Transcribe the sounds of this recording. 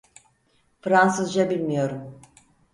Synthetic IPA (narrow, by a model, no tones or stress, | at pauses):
fɾansɯzd͡ʒabilʲmijo̞ɾum